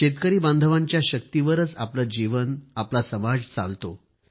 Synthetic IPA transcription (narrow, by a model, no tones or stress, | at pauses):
ɕet̪kəɾiːbãnd̪ʱəʋãɲt͡ɕjaɕək̚t̪iʋəɾət͡sapləd͡ʑiʋənaplasəmad͡zt͡sa̰lt̪o